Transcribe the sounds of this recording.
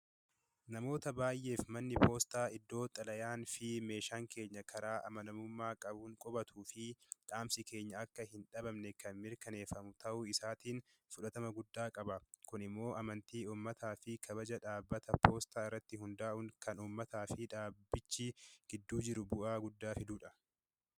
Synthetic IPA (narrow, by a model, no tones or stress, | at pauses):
nɐmo̞ːt̪ɐbaːjʔe̞ːfmɐnːɪpo̞ːst̪aːɪd̪ːo̞ːt̪ʼːɐlɐjaːnfɪme̞ːʃaːŋke̞ːɲːɐkʰɐɾaːʔɐ̰mɐnɐmʊmːaːkʼɐbʊŋkʼɔbɐt̪ʰuːfɪᶑaːmsɪke̞ːɲːɐɐkːɐhɪnᶑɐbɐmnɛkɐnmɪɾkɐne̞ːfɐmʊt̪ɐʔʊɪsaːt̪iːn | fʊᶑɐt̪ɐmɐɡʊd̪ːaːkʼɐbɐkʊnɪmːo̞ːʔɐmɐnt̪iːuːmːɐt̪ʰaːfɪkʰɐbɐd͡ʒɐᶑaːbːɐt̪ɐpʰo̞ːst̪aːɪrːɐt̪ːɪɦʊnd̪aːʔʊŋkɐnuːmːɐt̪aːfɪᶑaːbːɪt͡ʃːiɡ̥ɪd̪ːuːd͡ʒɪɾʊbʊʔaːɡʊd̪ːaːfɪd̪uːᶑɐ